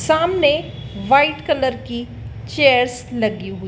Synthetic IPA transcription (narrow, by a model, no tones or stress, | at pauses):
saːmneʋaːɪʈkələɾki | t͡ʃeːəɾs | lɐɡiɦʊi